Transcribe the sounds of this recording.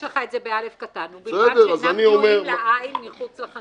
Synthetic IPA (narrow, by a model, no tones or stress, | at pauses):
leχaetzebealefkat̪anubsɛd̪eʁazaniomeʁmainmiχut͡slaχa